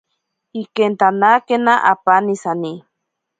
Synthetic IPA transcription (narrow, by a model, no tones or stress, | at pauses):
ikent̪anakenaʔapanisani